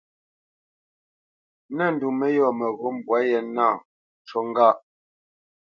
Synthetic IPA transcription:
nɛ˦˨n̩˨du˨mɛ˦jɔ˨mɛ˨ɣo˦m˨bwa˨˦jɛ˨na˦˨ | t͡ʃɔ˦ŋ˦ɡa˦˨ʔ

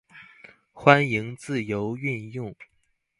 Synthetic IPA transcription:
xwa˥ni˧˥ŋt͡sɹ̩˥˩jo˧˥ʊy˥˧njʊ˥˩ŋ

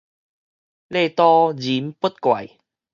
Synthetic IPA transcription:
le˥˧t̪ɔ˦d͡ʑi˨˦mpu˦˥t̪̚kwa˨˩j

